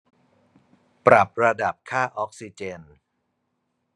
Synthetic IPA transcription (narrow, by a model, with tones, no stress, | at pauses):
pɾa˨˩p̚ɾa˧da˨˩p̚kʰaː˥˩ʔɔː˦˥k̚si˧t͡ɕeː˧n